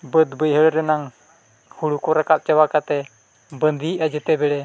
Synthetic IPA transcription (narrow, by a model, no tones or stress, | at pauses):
bəd̪bəjɦəɭɾɛnaŋ | huɽukɔɾakap̚t͡ʃawakat̪ɛ | bənd̪iad͡ʒɛt̪ɛbɛɽɛ